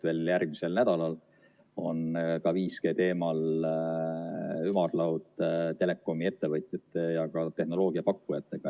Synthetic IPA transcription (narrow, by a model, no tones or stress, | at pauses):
ve̞ːljærɡ̥̚mise̞lnæd̪̥ɑlɑl | o̞nkɑviːske̞ːt̪e̞ːmɑl | ymɑrlɑwt̪t̪e̞le̞kːˑo̞mie̞t̪ːe̞vɤjt̪ʲˑjɑt̪ːˑejɑkɑt̪e̞hno̞lo̞ːɡ̥iɑpɑkːujɑt̪ːˑe̞ɡ̥ɑ